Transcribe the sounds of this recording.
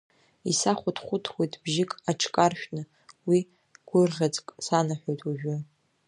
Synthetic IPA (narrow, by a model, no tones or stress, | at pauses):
isaχʷʊtʰχʷʊtʰwejtʼbʒɪkʼaʈ͡ʂʰkʼarʃᶣnɨ | wi | ɡ̥ʷʊrʁʲat͡sʼkʼsanaħʷᶣojtʰʼuʒᶣʊ